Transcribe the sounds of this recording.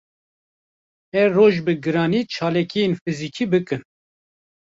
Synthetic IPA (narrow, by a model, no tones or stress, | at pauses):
ɛroːʒbɨɡɨɾɑːniːt͡ʃʰɑːlɛkijenfɨziːkʰiːbɨkɨn